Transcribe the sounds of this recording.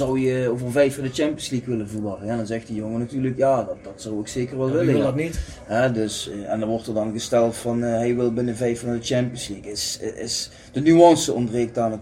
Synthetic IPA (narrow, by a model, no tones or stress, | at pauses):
zʌwjəoːvərvɛjfɑndət͡ʃɛmpiənslikʋɪlənvərʋɑrənɛndɑnzɛxtdəjoŋənatyːrləkjaːdɑt̚dɑtsɔwokseːkərʋɛlˠʋɪlətnit | ɦɛdɵsɛndɑnʋɔrtərdɑnɣəstɛlˠtfɑnɦɛjʋɪlˠbɪnəvɛjfɑndət͡ʃɛmpiənslikɪsɪs | d̥ənyɑnsəɔnbreːk̚taːnət